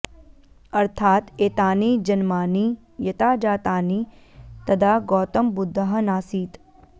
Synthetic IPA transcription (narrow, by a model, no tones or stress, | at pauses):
ɐɾt̪ʰaːt̪eːt̪aːniːd͡ʒɐnmaːniː | jɐt̪aːd͡ʒaːt̪aːniː | t̪ɐd̪ʱaːɡɔːt̪ɐmbʊd̪ʱːɐɦɐnaːsiːt̪